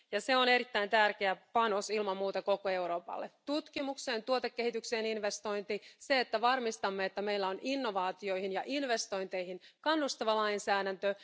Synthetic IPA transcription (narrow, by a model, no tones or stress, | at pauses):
jɑseone̞ɾit̪ːæint̪ærkeæpɑnosilmɑmmuːt̪eko̞koe̞uɾo̞ːpɑ̰lːet̪ut̪kimukseːnt̪uot̪ekːehit̪ykse̞ːninʋest̪o̞jnt̪iseːt̪ːæʋɑrmist̪ɑmːeet̪ːæme̞ilːæonʔinːo̞ʋɑːt̪io̞ihinjɑʔinʋe̞st̪o̞jnt̪e̞jhinkɑnːust̪ɑʋɑlɑjnsæːdænt̪ø